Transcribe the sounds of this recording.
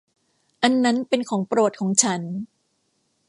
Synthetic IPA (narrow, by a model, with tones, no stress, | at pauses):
ʔa˧nːa˦˥npe˧nkʰɔː˩˦ŋpɾo˨˩t̪̚kʰɔː˩˦ŋt͡ɕʰa˦˥n